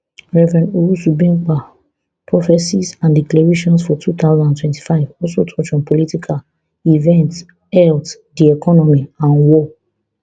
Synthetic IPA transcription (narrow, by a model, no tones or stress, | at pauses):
ɹɛvɹɛ̃nuɡusubɹĩmk͡pa | pʰɹɔfɛsisãndiklɛɹeʃɔ̃nsfɔtʰut̪aʊzɔ̃ndãntʰwɛ̃nti̥faɪvɔlsotʰɔt͡ʃɔ̃npɔlitikʰal | ivɛ̃nt | hɛlt | diɛkʰɔnɔmiãnwɔ